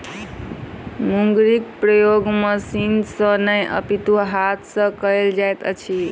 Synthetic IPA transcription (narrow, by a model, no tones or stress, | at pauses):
muŋɡɾik̚pɾəjoɡmʌsinsənəjʔʌ̰pit̪uɦat̪ʰsʌ̃kəjld͡ʒajt̪ə̰t͡ʃʰi